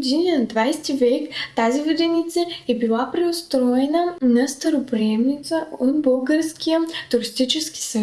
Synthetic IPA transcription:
d̪iniəd̪vajst̪ivɛkt̪azivəd̪ɛnit̪səɛbilˠapɾɛost̪ɾɔɛnənɐst̪ɐɾopɾiɛmnit̪səot̪bɤlˠɡəɾskijət̪ʊɾist̪it͡ʃɛsk̟i̥sɐ

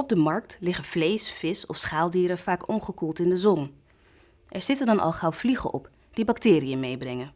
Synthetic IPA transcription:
ɔb̚dəmɑɹk̚tlɪχəv̥lejsfɪsɔfsχaːlˠdiːɾəv̥aːkɔnχəkulˠtɪndəzɔn | ʔɛɹz̥ɪtəndɑnʔɑ̰lˠχɑwv̥liχə̰ʔɔ̰p | d̥ibɑktɪːɾijəmejbrɛŋən

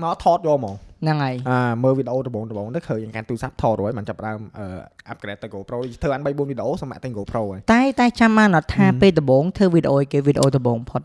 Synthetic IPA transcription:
mat̪ʰɑːt̪̚jɔːlmɔːŋnɨŋʔajʔaːməːlʋiːɗeʔoːt̪ɔɓoːŋt̪ɔɓoːŋt̪ɨkʰəːɲaŋkant̪uːsap̚t̪ʰɔːt̪ruhəjɓaːnt͡ɕapːəɗaəmʔəːʔap̚kɾɛːt̪ːɨwkoːproːɗoət̪ʰɨːɓaːnɓəjɓuənʋiɗeʔoːsəma̰ʔt̪ɨŋkoːproːʔəːjt̪aɛt̪aɛt͡ɕamɓaːnʔɑt̪ʰːaːpeːlt̪ɔɓoːŋt̪ʰɨːʋiɗeʔoːjkeːʋiɗeʔoːt̪ɔɓoːŋpʰot̪̚

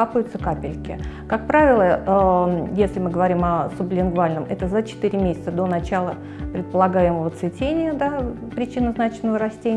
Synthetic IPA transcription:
apʊjʊt̪səkapʲɪlʲkʲɪ̰kak̚pɾavʲɪlˠə | jesʲlʲɪmɨɡəvɐɾʲimɐsʊblʲɪnɡvalʲnəmʔɛt̪əzət͡ɕɪ̥t̪iɾʲɪmʲesʲɪ̥t̪səd̪o̞nɐt͡ɕalˠə | pɾʲɪt̪̚pəlˠɐɡajɪməvət̪svʲɪtʲenʲɪjəd̪apɾʲɪt͡ɕinːəznat͡ɕɪnːəvəɾɐsʲtʲenʲ

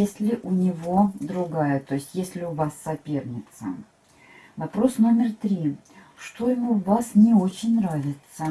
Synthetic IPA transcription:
esʲlʲɪʔʊnʲɪvod̪ɾʊɡajət̪o̞jɪsʲtʲjesʲlʲɪʊvasːɐpʲe̞rnʲɪt̪sə̰ | vɐpɾo̞sno̞mʲɪrt̪ɾʲi | ʂt̪o̞jɪmuvasnʲɪo̞t͡ɕɪnʲnɾavʲɪt̪sə

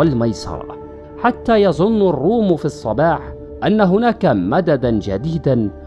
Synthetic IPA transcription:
almajsˤɑ̰ɾˤ | ħat̪ːaːjɑðˤʊnːɑrˤːuːmfiʔɑsˤːɑbɑːħ | ʔanːaɦʊnaːkamad̪ad̪and͡ʒad̪iːd̪an

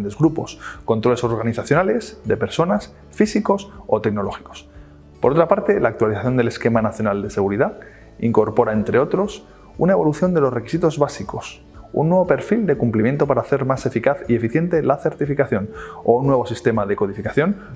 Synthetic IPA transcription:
nd̪e̞zɣɾupo̞̰sko̞nt̪ɾo̞le̞so̞ɾɣ̞aniθaθjo̞nale̞zðe̞pe̞ɾso̞nas | fisiko̞so̞t̪e̞kno̞lo̞xi̥ko̞̥s | poɾo̞t̪ɾapaɾt̪e̞laːk̚t̪waliθaθjo̞nd̪e̞le̞ske̞manaθjo̞nald̪e̞se̞ɣuɾiða | iŋko̞ɾpo̞ɾae̞nt̪ɾe̞o̞t̪ɾo̞s | unaeβo̞luθjo̞nd̪e̞lo̞sre̞ki̥sit̪o̞zβasiko̞s | ṵnːwe̞β̞o̞pe̞ɾfild̪e̞kumplimje̞nt̪o̞paɾaːθe̞ɾmase̞fikaθie̞fiθje̞nt̪e̞laθe̞ɾt̪ifikaθjo̞nounːwe̞β̞o̞sist̪e̞mað̞e̞ko̞ðifikaθjo̞n

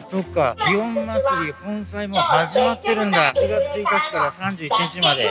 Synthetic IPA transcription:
so̞kːaiõmːasɨɾʲihõ̞ñsaimo̞haʑimat̪ːe̞ɾɯ̟̃nd̪aɕiɡat͡sɨit̪at͡ɕi̥kaɾasãɲ̟d͡ʑɨːit͡ɕiɲit͡ɕimad̪e̞̰

